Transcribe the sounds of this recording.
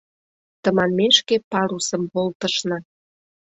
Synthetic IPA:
t̪ə̆mɑnmeʃkepɑɾusə̆mpolt̪ə̆ʃnɑ

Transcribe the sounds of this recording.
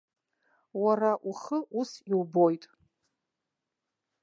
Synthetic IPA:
waraʔuχəʔusiwbo̞jtʼ

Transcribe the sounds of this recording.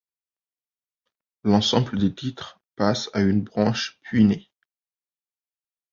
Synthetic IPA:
lɑ̃sɑ̃bləd̪et̪it̪χ | pasaynbʁɑ̃ʃpɥine

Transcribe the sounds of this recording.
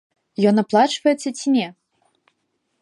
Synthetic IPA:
jɔnɐplˠat͡ʂvɐjɛt̪sːɐt͡sʲimʲɛ

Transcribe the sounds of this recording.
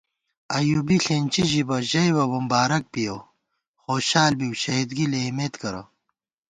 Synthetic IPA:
ɐjubiɬeːnʲt͡ɕiʑibɐʑɐjwɐbɐmbaːɾɐk̚pijo | xoːɕaːlbiwɕɐɦid̪ɡilemeːt̪kɐɾɐ̰

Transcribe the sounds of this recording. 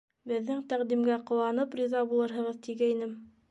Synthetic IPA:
bɘ̆ðːɘŋt̪æqd̪imɡæqŏwɑnɤprʲizɑbulˠɤɾɦɤ̆ʁɤðt̪iɡæinɘm

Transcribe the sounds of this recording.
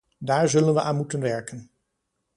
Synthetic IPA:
daːɹzɵlənʋəʔaːnmutənʋɛɹkən

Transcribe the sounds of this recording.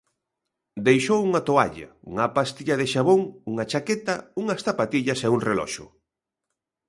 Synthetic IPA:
d̪ejʃowuŋat̪oa̰ʎa̰ṵŋɐpast̪iʎɐðɪʃaβoŋuŋat͡ʃaket̪ɐuŋɐsθapat̪iʎɐseuŋrelɔ̰ʃʊ̰

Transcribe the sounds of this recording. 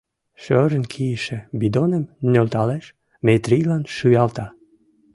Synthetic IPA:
ʃøɾənkʰijəʃĕbid̪onəmnʲølt̪ɑleʃ | met̪ɾijlɑnʃyjɑlt̪ɑ

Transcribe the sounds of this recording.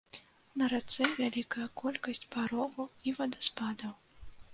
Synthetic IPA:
nɐɾat̪sɛvʲalʲikɐjɐkɔlʲkɐsʲt͡sʲpaɾɔvɐwivɐd̪ɐspad̪ɐw

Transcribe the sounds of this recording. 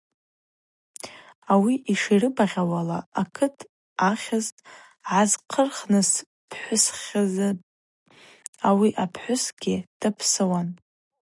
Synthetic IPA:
awiʔiʂirɨbaʁʲawalaakʰɨtʰ | aχʲaztʼ | ʕazqʰərχnɨs | pʰħʷʊsχazɨ | awiʔapʰħʷʊsɡʲɪd̥ɨpʰsɨwan

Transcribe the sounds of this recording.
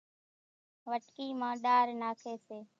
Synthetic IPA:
ʋəʈkiːmãːɗaːɾnaːkʰeːseː

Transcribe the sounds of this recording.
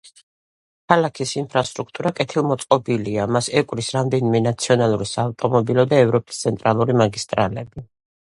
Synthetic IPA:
kʰalakʰisinpʰɾast̪ʼɾukʰt̪ʼuɾakʼɛt̪ʰilˠmɔt̪sʼqʼɔbiliamasɛkʼwɾisɾamd̪ɛnimɛnat̪sʰiɔnalˠuɾisaːvt̪ʼɔmɔbilɔd̪aɛvɾɔpʼi̥st̪sʰɛnt̪ʼɾalˠuɾimaɡist̪ʼɾa̰lɛbi

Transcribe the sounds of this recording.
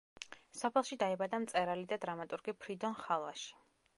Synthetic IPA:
sɔpʰɛlˠʃid̪aɛbad̪amt̪sʼɛɾalid̪ad̪ɾamat̪ʼuɾɡipʰɾid̪ɔnχalˠaʃi̥

